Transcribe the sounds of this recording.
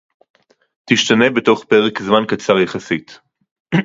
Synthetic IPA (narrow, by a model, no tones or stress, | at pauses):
tiʃtane̞be̞to̞χpe̞ʁekzmankat͡saʁjeχasit